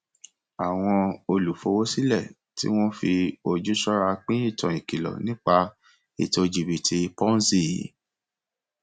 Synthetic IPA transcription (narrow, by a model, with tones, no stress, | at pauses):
a˨w̃ɔ̃˧o˧lu˨fo˧wo˦si˦lɛ˦˨ | tḭ˦w̃ɔ̃˦fi˧o˧d͡ʒu˦ʃɔ˦ɾa˧k͡pĩ˦i˦˨tɔ̃˨ĩ˨ki˨lɔ̰˨nĩ˦k͡pa˧ | ḭ˨to˨˧d͡ʒi˨bi˨ti˨˧pɔ̃˦n˦si˦˨i˨˦